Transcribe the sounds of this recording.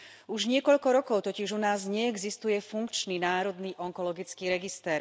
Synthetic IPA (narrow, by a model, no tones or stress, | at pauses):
uʒɲɪɛkɔʎkɔɾɔkɔʊt̪ɔciʒunaːzɲɛɛɡzist̪ujɛfuŋkt͡ʃninaːɾɔd̪niːʔɔŋkɔlɔɡit͡skiːɾɛɡist̪ɛɾ